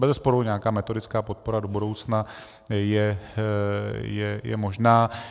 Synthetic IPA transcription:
bɛzɛspo̞ɾuɲɛakaːmɛt̪o̞dɪt͡skaːpo̞t̪̚po̞ɾadobudo̞wt͡sna | jɛ | jɛjɛ̰mo̞ʒnaː

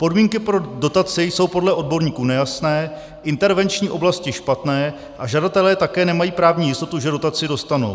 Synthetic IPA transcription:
po̞dmiːŋkɪpɾo̞do̞t̪at͡sɪjso̞wpo̞dlɛʔo̞d̚bo̞ɾɲiːkuːnɛjasnɛː | ʔɪnt̪ɛɾvɛnt͡ʃɲiːʔo̞blascɪʃpat̪nɛː | ʔaʒadat̪ɛlɛːt̪akɛːnɛmajiːpɾaːvɲiːjɪst̪o̞t̪uʒɛdo̞t̪at͡sɪdo̞st̪ano̰w

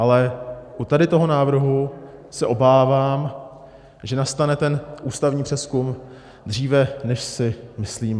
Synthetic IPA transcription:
ʔalɛʔut̪adɪt̪o̞ɦo̞naːvr̩ɦusɛʔo̞baːvaːm | ʒɛnast̪anɛt̪ɛnʔuːst̪avɲiːpr̝̥ɛskum | d̪r̝iːvɛnɛʃsɪmɪsliːm

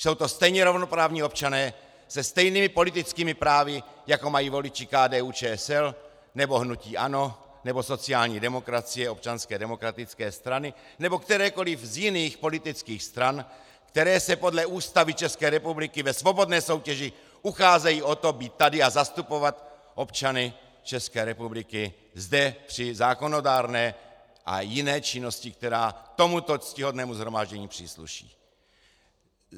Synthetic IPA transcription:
so̞wt̪ost̪ɛjɲɛɾovnopɾaːvɲiːo̞p̚t͡ʃanɛː | sɛst̪ɛjnimɪpo̞lit̪ɪt͡skiːmɪpɾaːvɪjakomajiːvo̞lɪt͡ʃikaːdɛːuːt͡ʃɛːɛsɛl | nɛboɦnuciːʔa̰no̞ | nɛbosot͡siaːlɲiːdɛmo̞kɾat͡sijɛop̚t͡ʃanskɛːdɛmo̞kɾat̪ɪt͡skɛːst̪ɾanɪ | nɛbokt̪ɛɾɛːko̞lɪvzjɪniːxpo̞lit̪ɪt͡skiːxst̪ɾan | kt̪ɛɾɛːsɛpo̞dlɛuːst̪avɪt͡ʃɛskɛːɾɛpublɪkɪvɛsvo̞bo̞dnɛːso̞wcɛʒɪ | uxaːzɛjiːʔot̪o̞biːt̪̚ːadɪazast̪upo̞vat̪ʔo̞pt͡ʃanɪ | t͡ʃɛskɛːɾɛpublɪkɪ | zdɛpr̥ɪzaːko̞no̞daːɾnɛː | ʔa̰jɪnɛːt͡ʃɪno̞scɪk̚t̪ɛɾaːt̪o̞mut̪ot͡scɪɦodnɛːmuzɦɾo̞maːʒɟɛɲiːpr̥ḭːslṵʃḭː

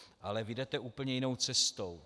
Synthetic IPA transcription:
ʔalɛvɪdɛt̪ɛʔuːpl̩ɲɛjɪno̞wt͡sɛst̪ow

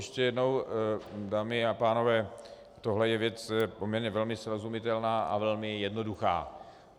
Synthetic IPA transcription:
ɛʃcɛjɛdno̞w | daːmɪapaːno̞vɛː | t̪oɦlɛjɛvjɛt͡sɛpomɲɛɾɲɛvɛlmɪsɾozumɪt̪ɛlnaːʔa̰vɛlmɪjɛdnoduxa̰ː

